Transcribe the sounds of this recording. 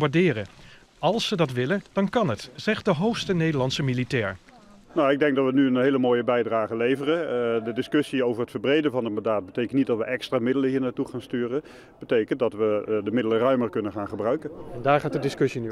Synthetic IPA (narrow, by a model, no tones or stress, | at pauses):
baɹdɪːrə | ɑlˠsədɑtʋɪlənd̥ɑnkɑnɦətz̥ɛχt̚dəɦowxstənejdəɹlɑntsəmilitɛːɹ | nowɪɡ̚dɛŋk̚dɑtʋənyənɦejləmoːjəbɛjdraːχəlejvərədədɪskɵsiowvərətfəɹbrejdənvɑnətmɑndaːt̚bətejkəntnit̚dɑtʋəʔɛkstraːmɪdələɦiːɹnatuχaːnstyːrə | b̥ətejkənt̚dɑtʋədəmɪdələrœɥməɹkɵnənχaːnχəbrœɥkənɛndaːɹχaːt̚dədɪskɵsiny